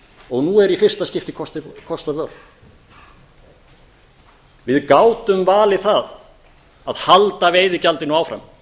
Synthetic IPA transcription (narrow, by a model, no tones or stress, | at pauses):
ɔɣnuɛɾifɪr̥st̪ascɪft̪ɪkʰɔst̪kʰɔst̪aœɾ | vɪðkaːwt̪ʏmvaːlɪθað | aðhalt̪aveːjðɪcalt̪ɪnɔaːwfɾa̰m